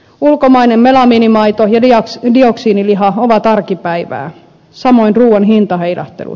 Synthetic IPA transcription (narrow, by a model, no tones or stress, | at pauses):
ulkomɑinemmelɑmiːnimɑit̪ojɑdioksiːniliɦɑoʋɑt̪ɑrkipæiʋæ̰ː | sɑmoinruːwɑnɦint̪ɑheilɑ̰ht̪ːḛlṵ